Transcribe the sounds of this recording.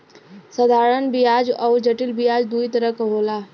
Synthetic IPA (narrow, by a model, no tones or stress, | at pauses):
səd̪ʱaːɾənbijaːd͡ʒɔːɾd͡ʒəʈɪlbijaːd͡ʒd̪uːit̪əɾəkɦoːlaː